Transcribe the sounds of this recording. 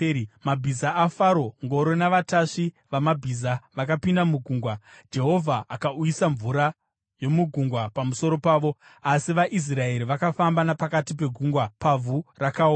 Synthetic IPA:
mabʱizaːfaɾo̞ŋɡo̞ɾo̞naʋataʂi | ʋamabʱizaʋakapindamuɡʱuŋɡwad͡ʒe̞ɦo̞vʱaʔːkaujisaɱvuɾa | jo̞muɡʱuŋɡwapamuso̞ɾo̞paːʋo̞asiʋaʔis̬rae̞ɾiʋakafambanapakatip̬e̞ɡʱuŋɡwapavʱurakaoːa

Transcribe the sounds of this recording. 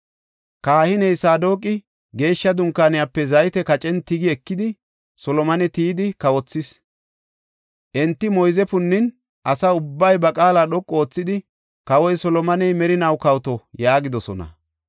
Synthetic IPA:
kaːhɪnɛjsaːd̪o̞ːkʼɪ | ɡe̞ːʃːɐd̪ʊŋkːaːnɪjapːɛzɐjt̪ɛkɐt͡ʃʼɛnt̪ɪɡɪɛkːɪd̪ɪ | sɔlɔmɐnɛt̪iːd̪ɪkɐwɔt͡sːɪs | ʔɛnt̪ːɪmɔjzɛpʊnːɪn | ʔɐsɐʊbːɐjbɐkʼaːlaːɗɔkʼːoːt͡sːɪd̪ɪ | kɐwɔjsɔlɔmɐnɛjmɛɾɪnɐwkɐwt̪ɔjaːɡɪd̪ɔsɔ̰nɐ̰

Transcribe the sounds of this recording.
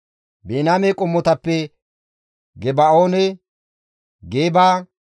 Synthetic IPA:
beːnaːmekʼʊmːɔt̪ɐpːɛ | ɡɛbaoːnɛ | ɡeːbaː

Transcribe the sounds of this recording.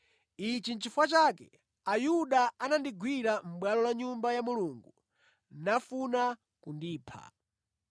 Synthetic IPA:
it͡ʃin̩t͡ʃifwat͡ʃaːkɛ̰ | ajuɗaanandiɡwiɾam̩ɓwalɔlaɲumbajamuluːŋɡu | nafuna | kundiːpʰa̰

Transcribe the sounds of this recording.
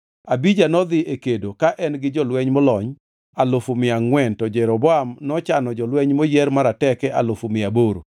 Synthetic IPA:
abid͡ʒanɔd̪ɪʔekedokaʔɛnɡɪd͡ʒɔlwɛɲmɔlɔɲ | alʊfumɪaŋwɛntɔd͡ʒɛɾɔbɔamnɔt͡ʃanɔd͡ʒɔlwɛɲmojɛɾmaɾatɛkɛʔalʊfumɪaboɾo̰

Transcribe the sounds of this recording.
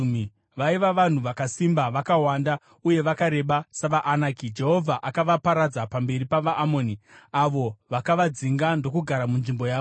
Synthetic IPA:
mi | ʋaiʋaʋan̤uʋakasimbaʋakawanda | uje̞ʋakaɾe̞ɓasaʋaʔːnaːkid͡ʒe̞ɦo̞vʱaʔakaʋapaɾad͡zapambe̞ɾipaʋaʔːmo̞ːniaʋo̞ʋakaʋad͡ziŋɡando̞kuɡʱaɾamunʐimbo̞jaːo

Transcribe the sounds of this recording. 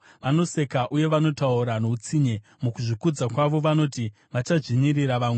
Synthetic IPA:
ʋano̞se̞kaʔuje̞ʋano̞tauɾano̞ut͡siɲe̞ | mukuʐikud͡zakwaʋo̞ʋano̞ti | ʋat͡ʃaʐiɲiriɾaʋaːŋwe

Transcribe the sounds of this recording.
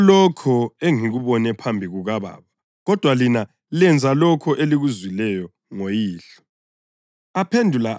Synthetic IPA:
lɔkʰɔeŋiɣuβɔnɛpʰambʱiɣuɣaβa̰ːβa | ɣɔd̥ʱwalina | lɛnd͡zʱalɔkʰɔʔeliɣuzwilɛjɔ | ŋojiːɬɔ̥ | apʰendʱula

